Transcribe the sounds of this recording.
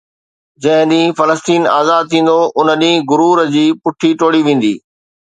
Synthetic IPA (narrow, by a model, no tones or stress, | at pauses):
d͡ʑɐ̃ɦɪ̃ɗĩːfɐləst̪iːna̰ːzaːd̪̚t̪ʰĩːn̆d̪oʔʊnəɗĩːɡʊɾuːɾəd͡ʑiːpʊʈʰiʈoːɽiʋẽːn̆d̪ḭː